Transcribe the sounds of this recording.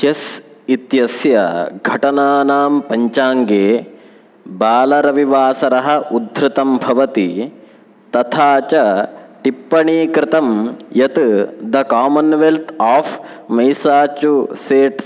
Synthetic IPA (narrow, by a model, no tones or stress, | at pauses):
ʃɐsit̪jɐsjɐɡʱɐʈɐnaːnaːmpɐɲt͡ʃaːŋɡeː | baːlɐɾɐʋiʋaːsɐɾɐɦɐʔud̪ʱɾɪt̪ɐmbʱɐʋɐt̪i | t̪ɐt̪ʰaːt͡ʃɐʈipːɐɳiːkɾɪt̪ɐmjɐt̪d̪ɐkaːmɐnʋelt̪ʰaːp | mɐjsaːt͡ʃuseːʈs